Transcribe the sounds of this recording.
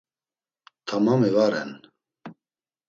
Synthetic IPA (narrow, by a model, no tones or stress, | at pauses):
t̪ʰamamivaɾɛ̰n